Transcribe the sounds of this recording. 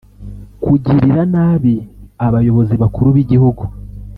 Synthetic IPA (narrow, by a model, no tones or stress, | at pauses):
kuɟiɾiɾanaːβiaβajo̞βo̞ziβakuɾuβiɟihuɡu